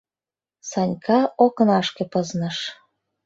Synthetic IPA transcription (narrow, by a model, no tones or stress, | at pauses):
sɑnʲkʰɑoknɑʃkĕpɤznɤ̆ʃ